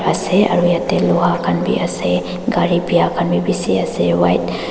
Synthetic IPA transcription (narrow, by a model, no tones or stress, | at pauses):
ɐseɐ̰ɾujat̪eloɦakɐnbʱḭʔɐse | ɡaːɾibʱijakʰɐnbʱibisiɐsewajt̪